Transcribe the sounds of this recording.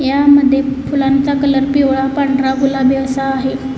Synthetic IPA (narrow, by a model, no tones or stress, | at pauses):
jaməd̪ʱːjefulant͡sakələɾpioɭapaɳɖɾaɦulabjəʋsaːɦe